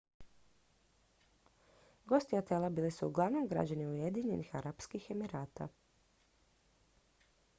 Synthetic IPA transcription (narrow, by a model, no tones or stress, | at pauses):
ɡo̞st̪iat̪elˠabiːlisuːɡlˠaʋnomɡɾa̰d͡ʑaniuje̞d̪iɲe̞nʔixaɾapskixe̞miɾaːt̪a̰